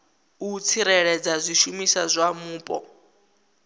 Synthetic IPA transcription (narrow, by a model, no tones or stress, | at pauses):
ut͡sʰiɾɛɺɛd͡zazʷiʃumisazʷamuːpʼɔ̰